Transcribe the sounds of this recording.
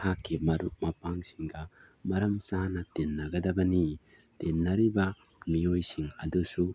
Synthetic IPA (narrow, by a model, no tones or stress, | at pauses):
hakːimɐɾuk̚mɐpaŋsiŋɡɐ | mɐɾɐmsanɐtenːɐɡɐdɐbɐni | tenːɐɾibɐ | miojsiŋɐdusu